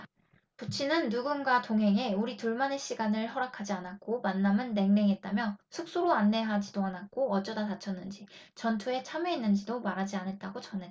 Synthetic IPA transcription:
put͡ɕʰinɯnːuɡunɡwatoŋɦe̞ŋe̞uɾituɭmane̞ɕ͈iɡanɯɭɦʌɾakʰad͡ʑianak̚k͈omanːamɯnːe̞ŋne̞ŋɦet̚t͈amjʌsʰuk̚s͈uɾoanːe̞ɦad͡ʑidoanak̚k͈oʌt͡ɕ͈ʌdatat͡ɕʰʌnːɯnd͡ʑit͡ɕʌntʰue̞t͡ɕʰame̞inːɯnd͡ʑidomaɾɦad͡ʑianet̚t͈aɡot͡ɕʌnɦe

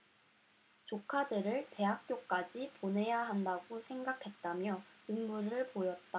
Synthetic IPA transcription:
t͡ɕokʰadɯɾɯɭte̞ɦak̚k͈jok͈ad͡ʑipone̞jaɦandaɡosʰe̞ŋɡakʰe̞t̚t͈amjʌnɯŋmuɾɯɭpojʌt̚t͈a

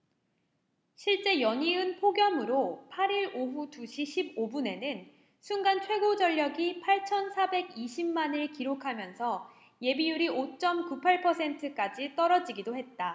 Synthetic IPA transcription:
ɕʰiɭt͡ɕ͈e̞jʌɲiɯnpʰoɡjʌmɯɾopʰaɾiɾoɸutuɕʰiɕʰibobune̞nɯn | sʰunɡant͡ɕʰwe̞ɡod͡ʑʌʎːʌɡipʰaɭt͡ɕʰʌnsʰabe̞ɡiɕʰimːanɯɭkiɾokʰamjʌnsʰʌ | je̞bijuɾiʔot͡ɕ͈ʌmkupʰaɭpʰʌsʰe̞ntʰɯk͈ad͡ʑit͈ʌɾʌd͡ʑiɡidohe̞t̚t͈a

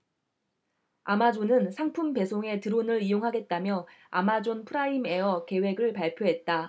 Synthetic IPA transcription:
amad͡ʑonɯnsʰaŋpʰumpe̞sʰoŋe̞tɯɾonɯɭijoŋɦaɡe̞t̚t͈amjʌa̰mad͡ʑonpʰɯɾaime̞ʌke̞we̞ɡɯɭpaɭpʰjoɦe̞t̚t͈a

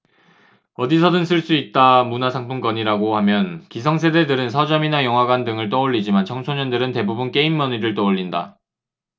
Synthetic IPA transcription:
ʌdisʰʌdɯns͈ʰɯɭs͈uit̚t͈amunasʰaŋpʰuŋk͈ʌɲiɾaɡohamjʌnkisʰʌŋs̬ʰe̞de̞dɯɾɯnsʰʌd͡ʑʌminajʌŋwaɡandɯŋɯɭt͈ʌoʎːid͡ʑimant͡ɕʰʌŋsʰoɲʌndɯɾɯnte̞bubunk͈e̞imːʌniɾɯɭt͈ʌoʎːinda̰

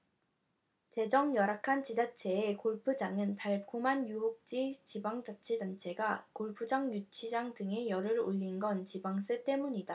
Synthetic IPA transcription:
t͡ɕe̞d͡ʑʌŋjʌɾakʰant͡ɕid͡ʑat͡ɕʰe̞ːkoɭpʰɯd͡ʑaŋɯntaɭkʰomanjuɦok̚t͡ɕ͈it͡ɕibaŋd͡ʑat͡ɕʰed͡ʑant͡ɕʰe̞ɡakoɭpʰɯd͡ʑaŋjut͡ɕʰid͡ʑaŋdɯŋe̞jʌɾɯɾoʎːinɡʌnt͡ɕibaŋs͈et͈e̞muɲida

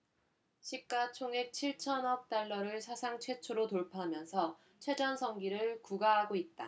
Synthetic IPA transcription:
ɕʰip̚k͈at͡ɕʰoŋek̚t͡ɕʰiɭt͡ɕʰʌnʌk̚t͈aɭːʌɾɯɭsʰasʰaŋt͡ɕʰwe̞t͡ɕʰoɾotoɭpʰaɦamjʌnsʰʌ | t͡ɕʰwe̞d͡ʑʌnsʰʌŋɡiɾɯɭkuɡaɦaɡoit̚t͈a

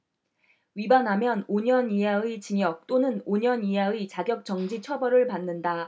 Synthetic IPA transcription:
ɥibanɦamjʌnoɲʌniɦait͡ɕiŋjʌk̚t͈onɯnoɲʌniɦait͡ɕaɡjʌk̚t͡ɕ͈ʌŋd͡ʑit͡ɕʰʌbʌɾɯɭpanːɯnda

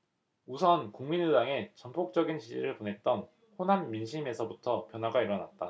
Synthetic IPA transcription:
usʰʌnkuŋminudaŋe̞t͡ɕʌmpʰok̚t͡ɕ͈ʌɡinɕʰid͡ʑiɾɯɭponɦe̞t̚t͈ʌn | honamːinɕ̬ʰime̞sʰʌbutʰʌpjʌnwaɡaiɾʌnat̚t͈a

